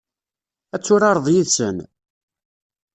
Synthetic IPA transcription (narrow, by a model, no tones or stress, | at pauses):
æt͡sːʊɾɑɾˤðˤjiðsən